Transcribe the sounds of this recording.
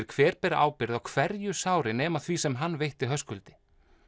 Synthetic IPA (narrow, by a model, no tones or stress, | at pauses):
ɾ̥kʰv̥ɛːɾpɛɾa̰ːwpɪɾðawkʰvɛɾjʏsaːwɾɪnɛːmaθviːsɛmɦanːvejht̪ɪɦœskʏlt̪ɪ̥